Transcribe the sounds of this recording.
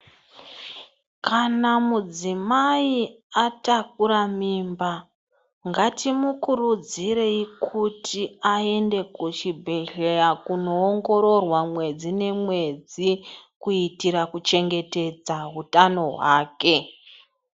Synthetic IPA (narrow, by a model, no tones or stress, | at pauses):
kanamud͡zimai | atak̚uɾamiːmba | ŋɡatʰimukurud͡ziɾe̞ikʰutʰiae̞nde̞kuʃibʱeɮejakuno̞ːŋɡo̞ɾo̞rwamwe̞d͡zine̞mwe̞d͡zikuitiɾakut͡ʃe̞ŋɡe̞te̞d͡zaɦutano̞ɦwaːke̞